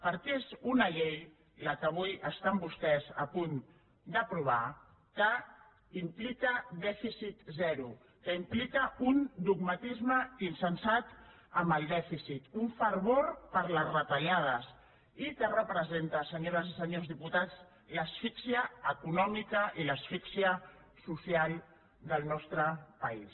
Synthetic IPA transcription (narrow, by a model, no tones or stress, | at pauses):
pəɾkeezunəʎej | ləkəβ̞ujʔəst̪ambust̪ɛzə̰pun | d̪əpɾuβ̞a | kə | implikəd̪ɛfisit̪zɛɾu | kəimplikəund̪uɡ̚mat̪izməinsənsat̪ | əmbəlˠd̪ɛfisit̪uɱfəɾβoɾpəɾləzrət̪əʎað̞əs | ikərəpɾəzent̪əsəɲoɾəzisəɲozðiput̪at͡s | ləsfiksiəəkunɔmikəʔiləsfiksiə | susialˠ | d̪əlˠnɔst̪ɾəpəis